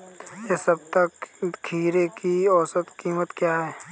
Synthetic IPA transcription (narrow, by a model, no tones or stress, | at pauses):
jesɐbt̪ɐkkʰiːɾekiɔːsət̪kiːmət̪kjaːɦɛː